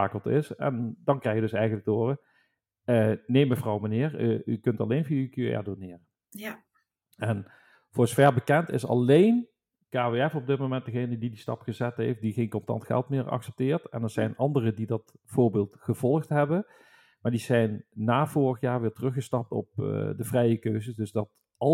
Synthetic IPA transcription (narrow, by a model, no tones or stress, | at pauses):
aːkəlˠtɪsɛ̰ndɑnkrɛjjədɵsɛjɣənləɡ̚doːrə | ənejməvrɑwmənɪːɹəykɵntɑlejnviykyɛ̰ɹdonɪːrə | ɛn | v̥ʊːɹzəvɛɹbəkɛntɪ̰sɑ̰lejn | kaːveɛfɔb̚dɪt̚mowmɛnt̚dəɣejnədidistɑ̰pχəzɛtɦejft̚diɣejnkɔntɑ̰ntxɛ̰lˠtmɪːɹɑ̰xsɛ̥p̚tɪːɹtɛ̰ndəɹz̥ɛjnɑndərədidɑtfʊːɹbɪːlˠtχəvɔlˠxtɦɛbə | maːɹdizɛjnːaːv̥ʊːrəχjaːɹʋɪːɹtərɵχəstɑp̚tɔ̰p̚dəvrɛjəkøɥzəsdɵzdɑt | ɑ